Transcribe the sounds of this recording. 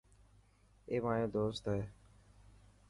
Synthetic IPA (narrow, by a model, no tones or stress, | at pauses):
eːmaːjõːd̪oːst̪eː